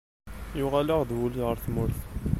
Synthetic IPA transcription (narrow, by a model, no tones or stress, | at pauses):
jʊʁæləʁd̪wuliʁəɾθmʊɾθ